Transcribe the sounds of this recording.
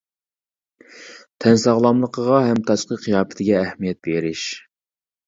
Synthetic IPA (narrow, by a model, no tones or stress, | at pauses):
t̪ʰɛnsɑʁlˠɑmlˠəqʰəʁɑɦɛmt̪ʰɑʃqəqʰijɑːpɛ̥t̪ʰɪɡʲɛːhmijɛt̪̚beɾɪʃ